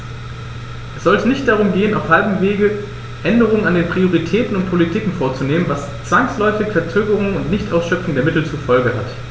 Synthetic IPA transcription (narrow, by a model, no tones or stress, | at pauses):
ʔɛsz̥ɔltənɪçt̚d̥aʁ̞ʊmɡeːənaʊfhalbm̩veːɡə | ʔɛndəʁ̞ʊŋənandeːnpʁ̥ioʁ̞itʰɛːtn̩ʊnt̚pʰolitʰiːkŋ̩foːɐt͡suneːmənvas | t͡sv̥aŋslɔʏfɪçfɛɐt͡søːɡəʁ̞ʊŋʊntnɪçtʔaʊsʃœpp͡fʊŋdeːɐmɪtl̩t͡sufɔlɡəha̰t